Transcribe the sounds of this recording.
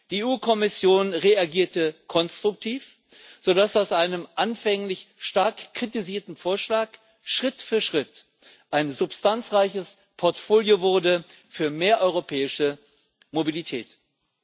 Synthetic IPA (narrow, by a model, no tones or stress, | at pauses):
d̥ieuːkʰɔmɪsjoːnʁeaɡiːɐtəkʰɔnstʁ̥ʊk̚tʰiːf | z̥odasaʊsʔaɪnəmʔanfɛŋlɪçʃtaɐkːʁ̥itiziːɐtn̩foːɐʃlaːk | ʃʁ̥ɪtfyːɐʃʁ̥ɪt | ʔaɪnzʊpstʰant͡sʁaɪçəs | pʰɔɐtfoːljovʊɐdə | fyːɐmeːɐʔɔʏʁopʰɛːɪʃə | mobilitʰɛ̰ːt